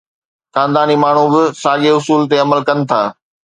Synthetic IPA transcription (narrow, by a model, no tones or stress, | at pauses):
xãːnd̪aːnimaːɳ̤ubɪsaːɠeʊsuːlt̪̬eɐməlkɐnɪ̆t̪ʰaː